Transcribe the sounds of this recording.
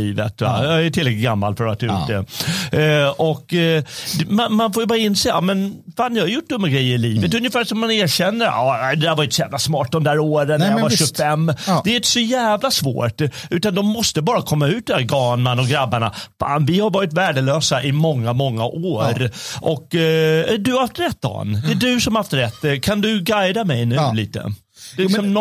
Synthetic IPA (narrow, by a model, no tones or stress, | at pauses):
iːvə̰t̪a̰jɑæʈʰɪlːɛk̪ɪt̪ɡamːa̰lfœɾat̪ʰːɑʉ̰ːt̪d̪ɛ | ʔɔkd̪manmanfoːɾjʏbɑːɾaɪnːseːa̰mɛn | faːnjɪhaɾjʊʈ̚ːd̪ɵmːaɡɾɛjːəɾɪliːvət̪ɵnjɪfæːʂɔmːaneːɾɕɛnːəɾ̰ɑːd̪ɛd̪æːɾvaɾjɪnt̪sɔjæːvlasmɑːʈ̚d̪ɔmd̪æːɾoːɾənvaɕɵfɛmːd̪ɛɾɪnt̪ə̥sɔjæːvlasvo̰ːʈʉ̟ːt̪and̪ɔmːɔst̪əbɑːɾakʰɔmːaʉ̟t̪d̪næːɾɡɑːnmanɔɡɾabːaɳa̰fa̰ːnvɪhaɾvɑːɾɪt̪væːɖəløːsaʔɪmɔŋːamɔŋːa̰ʔoːɾʔɔkːæɖɵhaft̪ɾɛt̪̚d̪ɑ̰nd̪ɛdɵsɔmhaft̪ɾɛt̪ːkʰand̪ɵɡajd̪amɛjnʉ̟lḭːt̪ə̰ | d̥̪ɛlɪksɔm